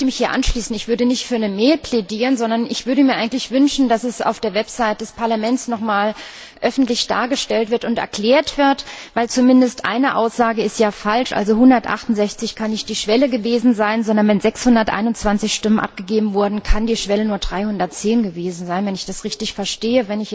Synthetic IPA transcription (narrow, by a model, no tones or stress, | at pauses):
əmɪçhiːɐʔa̰nʃliːsn̩ɪçv̥ʏɐdənɪçtfyːɐnəmɛːlpʰl̥ediːʁənzɔndɐnɪçv̥ʏɐɾəmiːɐʔaɪɡn̩tlɪçv̥ʏnʃn̩dasɛsa̰ʊfd̥eːɐvɛpz̥aɪt̚d̥ɛspʰaɐlamɛntsnɔχmaːl | ʔœfn̩tlɪçd̥a̰ːɐɡəʃtɛltv̥ɪɐtʊntʔɛ̰ɐkl̥eːɐtv̥ɪɐtvaɪlt͡sumɪndəstʔa̰ɪnəʔa̰ʊsz̥aːɡəɪstjaːfalʃʔa̰lzohʊndɐtʔa̰χtʊnzɛçt͡sɪçkʰanːɪçt̚d̥iːʃv̥ɛləɡəveːzn̩zaɪnzɔndɐnvɛnzɛkshʊndɐtʔa̰ɪnʊnt͡sv̥ant͡sɪçʃtɪmənʔa̰p̚ɡ̥əɡeːbm̩vʊɐdn̩kʰandiːʃv̥ɛlənuːɐdʁaɪhʊndɐtt͡seːnɡəveːzn̩zaɪnvɛnɪçd̥asʁɪçtɪçfɛɐʃteːəvɛnɪç